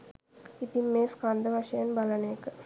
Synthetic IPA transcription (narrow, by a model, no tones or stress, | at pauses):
it̪imːeːskand̪ɐʋɐʃɐjɐnbɐlɐnek